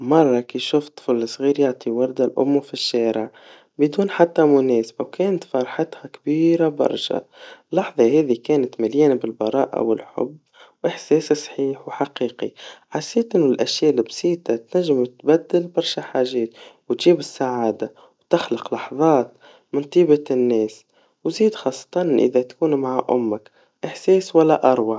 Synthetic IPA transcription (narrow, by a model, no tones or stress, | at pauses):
mɑrˤːɑkiːʃʊft̪ˤflɪsˤɣiːɾjaʕt̪ˤiwɑɾˤd̪alʔʊ̰mːfiʃːæːɾɪʕ | bɪd̪uːnħat̪ːamʊnɛːsabawkɛːnt̪fɑɾˤħɑt̪hakbiːɾabɑ̰ɾˤʃa̰lːɑħðˤɑhɛːðikæːnat̪mɪljɛːnbɪlbɑɾˤɑːʔa̰wɪlħʊ̰bːwʔɪħseːssˤħiːħwħaqiːqiħasːeːt̪ʔɪnːʊlʔaʃjaːʔlɪbsiːt̪at̪naʒːɪmt̪bad̪ːɪlbɑɾˤʃaħaːʒeːt̪wt̪ʒ̥iːbɪsːaʕaːd̪a | wt̪ɪxlɪqlɑħðˤɑːt̪̚ | mɪnt̪ˤiːbanːeːs | wziːd̪xɑːsˤːɑ̥t̪ˤɑnʔɪ̰ðat̪kuːnmaʕaʔʊ̰mːak | ʔɪħseːswalːaʔɑɾˤwɑʕ